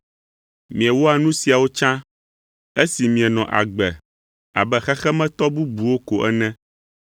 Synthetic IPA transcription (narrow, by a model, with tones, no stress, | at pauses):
mĩ˨ɛ˨wo˦a˨nũ˦si˨a˨wo˦t͡ʃã˦ | e˦si˨mĩ˨ɛ˨nɔ̃˨ʔa̰˨ɡ͡bɛ˨ | a̰˨bɛ˦xɛ˦xɛ˦mɛ̃˦t̪ɔ˦bu˦bu˨wo˦ko˨ʔɛ̰˦nɛ̃˦